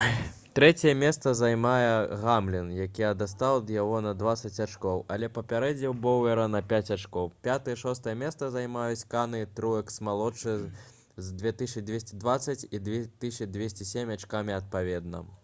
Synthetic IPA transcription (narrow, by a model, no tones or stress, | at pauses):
t̪ɾɛt͡sʲɛjɛmʲɛst̪sɐzajmajɛɣamlʲinjakʲiɐd̪ast̪awd̪jaɣɔnɐd̪vat̪sːɐt͡sʲat͡ʂkɔwɐlʲɛpɐpʲaɾɛd͡zʲnʲiwbɔwʲɛɾɐnɐpʲat͡sʲat͡ʂkɔwpʲat̪ɨjɛʂɔst̪ɐjɐmʲɛst̪sɐzajmajut͡sʲkanɨt̪ɾujɛksmalˠɔt͡ʂɨ | zd̪vʲɛt̪ɨʂɨd̪vʲesʲt͡sʲid̪vat̪sːɐt͡sʲid̪vʲt̪ɨʂɨd̪ʲvʲesʲt͡sʲisʲemʲat͡ʂkamʲiɐt̪̚pavʲɛd̪̚nɐ̰